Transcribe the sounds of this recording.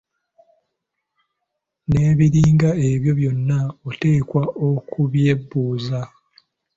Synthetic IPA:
ne̞ːβiɾiːŋɡae̞βjo̞βjo̞nːaote̞ːkwaokʰuβje̞bːuːza

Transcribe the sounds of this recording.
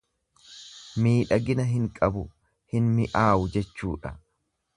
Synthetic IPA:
miːᶑɐɡɪnɐɦɪŋkʼɐbʊ | hɪnmɪʔaːʔʊd͡ʒɛt͡ʃːuːᶑɐ̰

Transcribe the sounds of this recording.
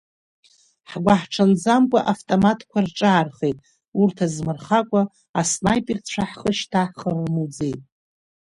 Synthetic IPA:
ħɡʷaħʈ͡ʂʰand͡zamkʷʼaʔaftʼomatʰkʷʰarʈ͡ʂʼaːrχejtʼ | urtʰazmɨrχakʷʼaː | snajpʼirt͡ɕʷʰaħχəʃtʰaħχəlmud͡zejtʼ

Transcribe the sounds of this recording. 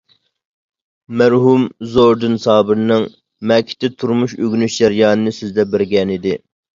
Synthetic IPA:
mæɾɦumzoɾd̪ɨnsɑːbɨɾnɨŋ | mɛkʲʰɪ̥t̪ʰɪt̪ʰuɾmuʃøɡʲnyʃd͡ʒɛɾjɑːnɨnɨsɪzd̪ɛbɪɾɡʲɛnid̪ɪ

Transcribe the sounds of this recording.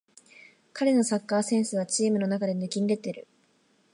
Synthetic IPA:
kaɾe̞no̞sakːaːsẽ̞ɰ̃sɨβat͡ɕiːmɯ̟no̞nakad̪e̞nɯkʲĩnɾe̞t̪ːeɾɯ̟

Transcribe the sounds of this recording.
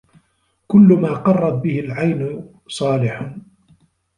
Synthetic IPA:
kʊlːʊmaːqɑrˤːɑt̪̚bɪhɪlʕajn | sˤɑːlɪħ

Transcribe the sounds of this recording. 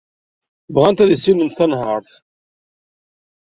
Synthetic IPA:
vʁænt̪æðisinənθɑnɦəɾˤθ

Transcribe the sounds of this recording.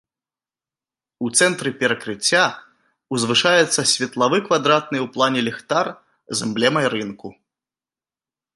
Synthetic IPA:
ut̪sɛnt̪ɾɨpʲɛɾɐkɾɨt͡sʲːa | uzvɨʂajɛt̪sːɐsʲvʲɐt̪lˠavɨkvad̪ɾat̪̚nɨjwplˠanʲɛlʲɛxt̪ar | zɛmblʲɛmɐjɾɨnku

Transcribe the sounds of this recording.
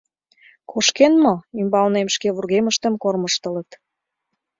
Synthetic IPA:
kʰoʃkenmɤymbɑlnemʃkeβurɣeməʃt̪ə̆mkorməʃt̪ə̆lə̆t̪

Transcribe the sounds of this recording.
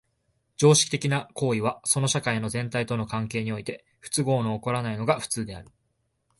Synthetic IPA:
d͡ʑo̞ːɕi̥kʲi̥t̪e̞kʲinako̞ːiβ̞aso̞no̞ɕakaino̞zẽ̞nt̪ait̪o̞no̞kãŋke̞ːɲ̟io̞it̪e̞ | ɸɯ̥t͡sɨɡo̞ːnoːko̞ɾanaino̞ɡaɸɯ̥t͡sɨːd̪e̞a̰ɾɯ̟

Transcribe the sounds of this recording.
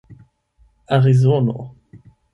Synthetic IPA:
aʁizono̰

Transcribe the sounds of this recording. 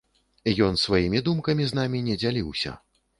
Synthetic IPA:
jɔnsvajimʲid̪umkɐmʲiznamʲinʲɛd͡zʲalʲiwsʲɐ̰

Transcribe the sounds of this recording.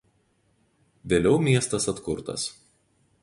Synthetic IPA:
ʋʲeːlʲɛʊmʲiɛst̪ɐsɐt̪kʊɾt̪ɐ̰s

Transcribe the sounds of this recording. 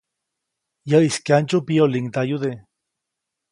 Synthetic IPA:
jaiskant͡ʃupioliŋt̪ajud̪e

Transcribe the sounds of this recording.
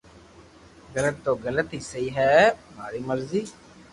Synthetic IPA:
ɡələt̪ːoːɡələt̪iːsəiːɦɛːmaːɾiːməɾziː

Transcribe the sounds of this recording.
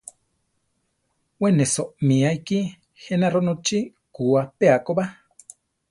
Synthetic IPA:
wenesoʔmiajki | henaɾonot͡ʃi | kuapeakoba

